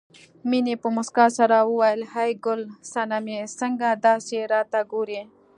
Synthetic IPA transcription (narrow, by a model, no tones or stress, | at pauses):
minepəmʊskaːsaɾauwajlhajɡʊlsanamesɐŋɡad̪aːseɾaːt̪aɡuɾe